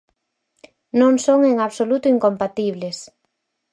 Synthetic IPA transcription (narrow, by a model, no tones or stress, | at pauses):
nõŋsoŋeŋaβsolut̪ʊiŋkompat̪iβles